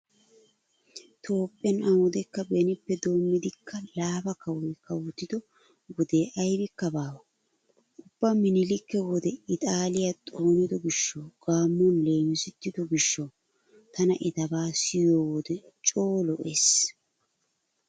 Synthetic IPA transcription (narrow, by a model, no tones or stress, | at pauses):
t̪ʰo̞ːpʼːɛnɐwʊd̪ɛkːɐbɛnɪpːɛd̪oːmːɪd̪ɪkʰːɐlaːbɐkɐwɔjkɐwʊt̪ːɪd̪ɔ | wɔd̪eːʔɐjbɪkːɐbaːwɐ | ʊb̥ːɐmɪnɪlɪkːɛwɔd̪ɛɪt̪ʼaːlɪjɐt̪ʼoːnɪd̪ɔɡɪʃːɐwɡ̥aːmːɔnle̞ːjʊsɪt̪ːɪd̪ɔɡɪʃːɐw | t̪ɐnɐʔɪt̪ɐbaːsɪjoːwɔd̪ɛ | t͡ʃʼo̞ːlɔʔes